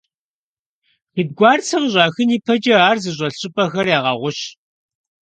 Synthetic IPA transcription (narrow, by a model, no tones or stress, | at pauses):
xid̚ɡʷɑːrt͡sʰɐmʑʼɑːxɨniːpʰɐd͡ʒʼɐaːrzɨʑ̬ʷʼɐɬɕʼɪpʼɐxɐrjaːʁɐʁʷʊɕ